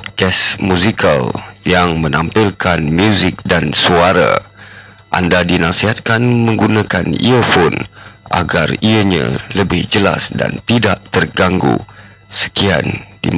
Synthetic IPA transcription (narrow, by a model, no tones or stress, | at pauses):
ɡɛsmũzikʰaljaŋmə̃nampɪlkʰanmjuzɪk̚dansuaɾa̰ | ʔa̰ndadinasiɦat̪̚kanmə̃ŋɡunãkanḭəpʊnʔa̰ɡariəɲã̰ləbɪhd͡ʒəla̰sda̰nt̪idaʔt̪ərɡaŋɡṵ | sə̥kia̰ndḭ